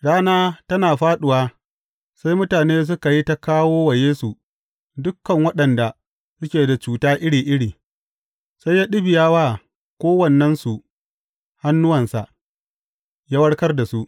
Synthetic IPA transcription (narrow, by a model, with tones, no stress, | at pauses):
ɽaː˦naː˦tɐ˦naː˨ɸaː˦ɗʊ˨waː˦ | sa˦jmʊ˦taː˨neː˦s̬ʊ˦ka˨ji˦ta˦kaː˦woː˦wɐ˨jeː˦su˨ | dʊ˦kːɐ˨ŋwɐ˦ɗɐ˨nda˨ | sʊ˦kʲeː˨da˨t͡ʃuː˨taː˦ʔɪ˦ɽiː˨ʔɪ˦ɽiː˨ | sa˦jːaː˦ɗɪ˦bɪ˨jaː˦waː˦ | kʷoː˦wɐ˨nːɐ˦nsu˨ʔ | ha˦nːʊ˦wɐ˨nsa̰˨ʔ | ja˦wɐ˦ɽkɐ˦rda˨su˦ʔ